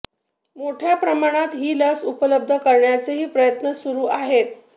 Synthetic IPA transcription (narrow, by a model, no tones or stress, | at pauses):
moʈʰjapɾəmaɽ̃at̪ɦiːləsupələb̚d̪ʱəkəɾɳjat͡seɦiːpɾəjət̪nəsuɾuːʔaɦet̪